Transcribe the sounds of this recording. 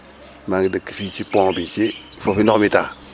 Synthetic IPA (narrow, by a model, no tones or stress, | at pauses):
maŋɡidəkːi̥fit͡ʃipõŋbit͡ʃi | fofinɔkmita